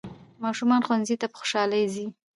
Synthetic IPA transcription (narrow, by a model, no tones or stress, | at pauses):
mɑʃumɑnxwanzit̪apə̥xʊ̥ʃɑlajzi